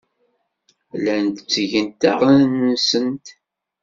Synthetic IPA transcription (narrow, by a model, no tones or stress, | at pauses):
lænt̪t͡sːʝənt̪æ̰ʁnsənt̪